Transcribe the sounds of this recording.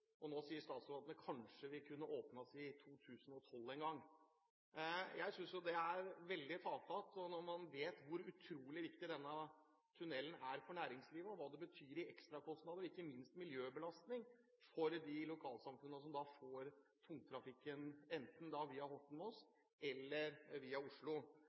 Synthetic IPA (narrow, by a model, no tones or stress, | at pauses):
ʔɔnoːsiːəʂt̪ɑːt̪sɑʋɑːd̪nəkʰɑnʂəʋɪkʰʉnːəʔoːpnəsɪt̪ʰuːt̪ʰʉːsənɔt̪ʰɔlːɛnɡɑŋː | jæɪsʏnsjʊd̪ɛæɾʋɛld̪ɪfɑːt̪ʰɑt̪ɔnɔɾmɑnʋeːt̪ʋʊɾʉt̪ʰɾuːlɪʋɪkt̪ɪd̪ɛnːə | t̪ʰʉnɛlənæɾfɔɳæːɾɪŋsliːʋəɔʋɑːd̪ɛbət̪ʰyːɾɪʔɛkst̪ɾɑkʰɔst̪nɑːd̪əɾɪkːəmɪnst̪mɪljøːbəlɑst̪nɪŋ | fɔɾd̪ɪlʊkʰɑːlsɑmfʉnːəs̬ɔmd̪ɑfoːɾt̪ʰʊŋt̪ʰɾɑfɪkːənɛnt̪n̩d̪ɑʋiːɑhɔʈːn̩mɔɔs | ɛlːəɾʋiːɑʊʂɭʊ